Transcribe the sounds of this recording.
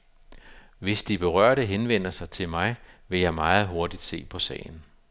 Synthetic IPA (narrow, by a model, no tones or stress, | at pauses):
ʋe̝sd̥ib̥e̝ʁɶɐ̰ɾəɦenʋen̰ɐsɑ̈ɪt͡sʰe̝lmɑ̈ɪʋe̝jɑ̈ɪmɑ̈ːð̞̩ˠɦo̝ɐd̥id̥se̝̰ːpʰɒ̽sɛ̰ːɪn̩